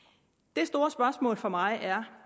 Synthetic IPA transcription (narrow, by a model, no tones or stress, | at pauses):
d̥e̝sd̥o̝ːɐsb̥ɶɐsmɔ̰̽ːlfɒ̽mɑ̈ɪʔæɐ